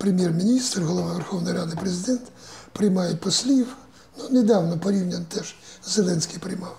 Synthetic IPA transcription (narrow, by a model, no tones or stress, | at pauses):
pɾʲɪmʲjermʲɪnʲist̪rɣɔlˠɐʋavʲɛrxownəjɾad̪ɨpɾʲɪzʲɪd̪ʲɛnt̪ | pɾʲɪjmajɪt̪pɐsʲlʲif | nonʲɪd̪awnɔpɐɾʲiwnʲɪnt̪ɛʂzɛlˠɛnsʲkʲijpɾʲɪjmaf